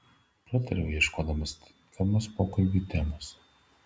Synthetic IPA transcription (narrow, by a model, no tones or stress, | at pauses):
pʲlʲɛt̪ʲɐɾʲojjɛʃkoːd̪ɐmɐs | k̪ʲɐmɐspoːkɐlʲbʲiːt̪ʲɛmos